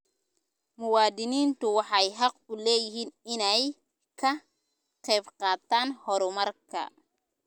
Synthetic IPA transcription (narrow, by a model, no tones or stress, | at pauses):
mʊwɑːd̪ɪniːnt̪ʊwɑħɑjɦɑqʊlɛːjɪɦiːnɪnɛj | kʰɐ | qɛːbqɑːt̪ʰaːnhɔɾʊmɐrkʰɐ̰